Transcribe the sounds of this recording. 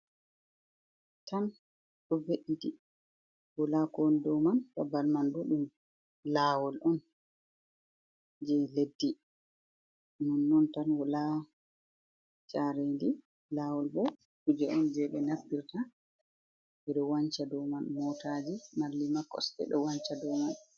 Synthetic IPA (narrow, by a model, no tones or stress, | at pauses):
tan | ɗɔbeʔiti | wɔlakɔndɔwmankabalmandɔɗum | laːwɔlʔɔn | d͡ʒɛledːi | nɔnːɔntanwɔla | t͡ʃʼaɾendi | lawɔlbɔ | kud͡ʒɛʔɔnd͡ʒɛɓɛnapːiɾta | ʔɛɗɔwaɲt͡ʃadɔmanmɔtaːd͡ʒimalːimakːɔ̰stɛ̰ɗɔwaɲt͡ʃadɔwman